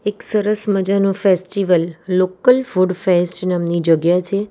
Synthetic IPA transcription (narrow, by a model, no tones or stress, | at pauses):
eksəɾəsməd͡ʒanofesʈiʋəlːokəlfuɖfesʈnamnid͡ʒəɡjat͡ʃʰe